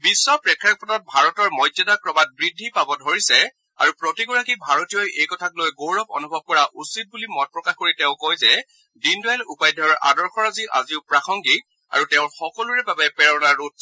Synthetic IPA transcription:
bisːɔpɹɛkʰːjak̚pɔtɔt̚bʱaɹɔtɔɹmɔjzadakɹɔmat̚bɹidʱːipabɔdʱoɹisɛ | a̰ɹupɹotiɡɔɹakibʱaɹɔtijɔjʔejkɔtʰaklojɡowɹɔbɔ̰nubʱɔb̚kɔɹaʔusit̚bulimɔn̚pɹɔkaxkoɹitɛʊ̃kojzɛ | dindajlupajdʱɔɹʔa̰dɔɹxɔɹaziʔaziʊpɹaxʰɔŋɡik̚ | a̰ɹutɛʊ̃ɹxɔkɔluɹɛbabɛpɛɹɔnaɹut̚ʰ

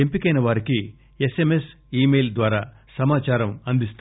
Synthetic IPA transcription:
empikɐjnɐʋaːɾiki | esemes | iːmejld̪ʋaːɾaː | sɐmaːt͡ʃaːɾɐmɐnd̪ist̪

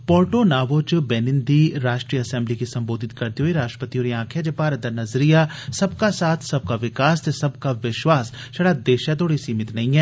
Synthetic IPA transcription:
pɔːɾʈonaːʋot͡ʃbɛːnɪ̃nd̪iɾaːʃʈɾiːjəɐsɛ̃ːmblikisɐ̃mboːd̪ʱɪt̪kɐɾt̪iɦoːiɾaːʃʈɾə̥pət̪ioːɾiãːkʰed͡ʒepaːɾɐd̪ɐnɐzɾijasɐbkasaːt̪ʰsɐb̚kaʋɪkaːst̪esɐbkaʋɪʃwaːs | ʃɐɽaːd̪eːʃat̪oːɽisiːmɪt̪nɐɦĩɦɛː

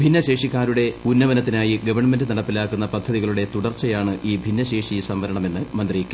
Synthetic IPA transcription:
bʱinːɐɕe̞ːʂikːaːɾuɽe̞unːɐʋɐnɐt̪ːinaːjiɡɐʋɐrɳɐme̞ndɨnɐɽɐpːilaːkːunːɐpɐd̪ʱːɐðiɣɐɭuɽe̞t̪uɽɐrt͡ɕːɐjaːɳɨʔiːbʱinːɐɕe̞ːʂisɐmʋɐɾɐɳɐme̞nːɨmɐnd̪riːkʲːɐ

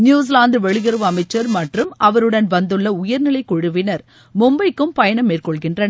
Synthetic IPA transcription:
njuːs̬laːnd̪ɯʋɛɭɪɣɐɾɯʋɐmɐɪt͡ʃːɐɾmɐʈrɯmɐʋɐɾɯɽɐnʋɐnd̪ɯɭːɐʊjɐɾnɪlɐɪkɔɻɯʋɪnɐɾ | mʊmbɐɪkːɯmpɐjɐɳɐmːeːrkɔɭɣɪndrɐn

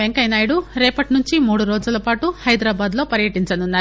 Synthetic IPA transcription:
eŋkɐjnaːjɽuɾɛːpɐʈnuɲt͡ʃimuːɽuɾoːd͡ʒulɐpaːʈuhɐjd̪ɾaːbaːd̪lo̞ːpɐɾjɐʈiɲt͡ʃɐnunːaːɾu

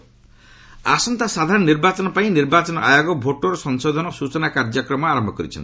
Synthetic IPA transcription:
a̰sɔnt̪asad̪ʱaɾɔnːiɾbat͡ʃɔnɔpaĩniɾbat͡ʃɔnɔʔa̰joɡɔbʱoʈoɾɔsɔŋsod̪ʱɔnɔsut͡ʃɔnakaɾd͡ʒɔkɾɔmɔaɾɔmbʱɔkɔɾḭt͡ʃʰɔ̰nt̪

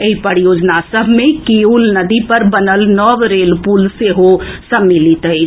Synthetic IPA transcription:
eɦipəɾjod͡ʒnasəbʱmekiulnəd̪ipəɾbənəlnɔʋɾelpulseɦosəmːilit̪əɪt͡ʃʰ

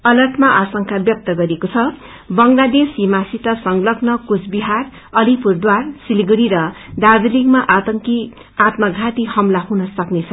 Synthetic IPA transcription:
ʌlʌrʈʰmaʔasʌŋkʰabjʌk̚t̪ʌɡʌɾiekot͡sʰʌ | bʌŋlad̪esimasit̪ʌsʌŋlʌknʌkut͡sbiɦar | ʌlipurd̪warsilɡuɾiɾʌd̪ad͡zilikmaʔat̪ʌŋki | at̪mʌɡʱat̪ihʌmlaɦunʌsʌknet͡sʰʌ

